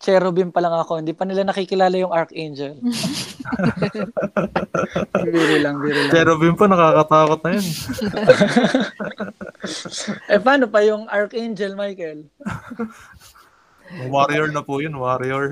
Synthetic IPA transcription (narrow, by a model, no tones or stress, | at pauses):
t͡ʃɛɾobɪmpɐlɐŋɐko̞hɪnd̪iːpɐnɪlanɐkikɪlaːlɐjʊŋʔɐɹkejnd͡ʒɛl | biːɾɪlɐŋbiːɾɪlt͡ʃɛɾobɪmponɐkaːkɐt̪aːkot̪̚nɐjon | ʔɛpaːnopɐjʊŋʔɐɹkʔejnd͡ʒɛlmajkɛl | ʊŋwaɾjɛɹnɐpʊjonwaɾjɛɹ